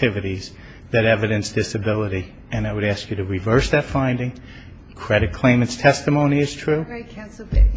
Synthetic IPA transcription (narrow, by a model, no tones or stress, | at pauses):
tʰɪvɨɾiz̥ | ðɨɾɛvɨɾɨ̃nsd̥ɪsɨbɪlˠəɾi | ɨ̃naɪwɨɾæskjɨɾɨɹivɜ˞sðɨtfãɪ̃ndɪ̃ŋ | kʰɹ̥ɛɾɨt̚kʰl̥ẽɪ̃mɨ̃ntstʰɛstɨmõʊ̃niɨz̥tʰɹ̥ʉ